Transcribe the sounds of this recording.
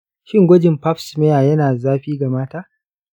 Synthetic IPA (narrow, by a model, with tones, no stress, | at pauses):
ʃɪ˦ŋɡʷɔ˦d͡ʒɪ˨mpa˦ɸsme˦jaː˨jɐ˦naː˨zaː˦ɸiː˦ɡa˨maː˦taː˦